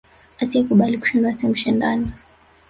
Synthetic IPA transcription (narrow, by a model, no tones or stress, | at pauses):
asiɛkuɓaliku̥ʃinduasimuʃindani